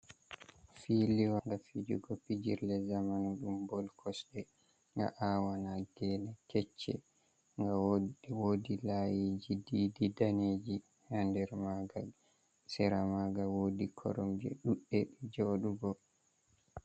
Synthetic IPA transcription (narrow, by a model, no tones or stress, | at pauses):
filiwaŋɡafid͡ʒṵɡɔpid͡ʒiɾlɛzamanɗumbɔlkʰɔsɗɛ | ŋɡa̰ʔawanaɡɛnɛkɛt͡ʃːɛ̰ | ŋɡawodilajid͡ʒidididaned͡ʒi | handɛɾmaɡal | sɛɾamaɡawoːdikʰɔ̰ɾɔmd͡ʒɛ̰ɗuɗːɛɗɛd͡ʒoɗuɡɔ